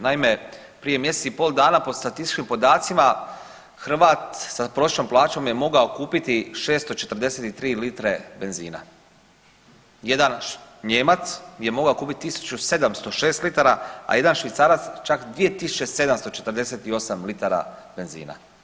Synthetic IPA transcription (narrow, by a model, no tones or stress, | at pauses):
naime̞ | pɾije̞mjese̥sipo̞ːlˠd̪aːnapo̞st̪at̪ist̪i̥t͡ʃkimpo̞d̪aːt̪sima | xɾr̩ʋaːt̪sapɾoseʃnomplˠaːt͡ʃo̞mje̞mo̞ɡaokuːpit̪iʃe̞ːst̪o̞t͡ʃe̞t̪r̩d̪e̞seːt̪it̪ɾiːlit̪ɾe̞be̞nzḭːna̰ | je̞d̪anɲeːmat̪sjemo̞ɡaokuːpit̪it̪ːisu̥t͡ɕused̪amst̪o̞ʃe̞ːst̪lit̪aɾaa̰je̞d̪anʃʋit̪saɾat̪st͡ʃakd̪ʋije̞t̪isu̥t͡ɕe̞se̞d̪amst̪ot͡ʃe̞t̪ɾd̪ese̞t̪io̞samlit̪aɾa̰ | be̞nzḭːna̰